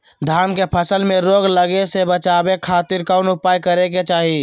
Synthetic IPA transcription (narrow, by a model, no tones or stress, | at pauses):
d̪ʱaːɾmkepʰəsəlmẽɾoːɡləɡesebət͡ʃaːbekʰaːt̪ɪɾkanʊpaːjkəɾek̬et͡ʃaːɦi